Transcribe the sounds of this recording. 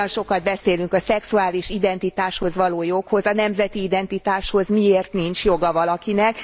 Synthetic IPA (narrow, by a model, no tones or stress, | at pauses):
onʃo̞kɒd̪̚bɛseːlyŋkɒsɛksuaːliʃid̪ɛnt̪it̪aːʃho̞zʋɒloːjo̞kho̞zɒnɛmzɛt̪iːd̪ɛnt̪it̪aːʃho̞zmieːrt̪nint͡ʃjo̞ɡɒvɒlɒkinɛk